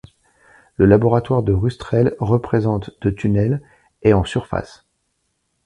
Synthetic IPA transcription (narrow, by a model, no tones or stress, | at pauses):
ləlabɔʁat̪waʁd̪əʁyst̪χɛlʁəpχezɑ̃t̪d̪̥ət̪ynɛl | eɑ̃syʁfa̰s